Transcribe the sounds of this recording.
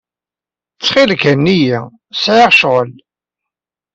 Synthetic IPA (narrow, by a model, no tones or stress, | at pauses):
t͡sːχɪlkænːiji | sʕɪʁʃʁəl